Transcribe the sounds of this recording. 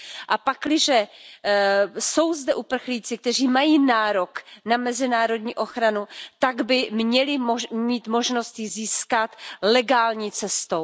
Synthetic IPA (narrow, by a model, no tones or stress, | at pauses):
ʔapaklɪʒɛ | so̞wzdɛʔupr̩xliːt͡sɪk̚t̪ɛr̝iːmajiːnaːɾo̞knamɛzɪnaːɾo̞d̪ɲiːʔo̞xɾanut̪aɡbɪmɲɛlɪmomiːt̪mo̞ʒno̞st̪jɪziːskat̪lɛɡaːlɲiːt͡sɛst̪ow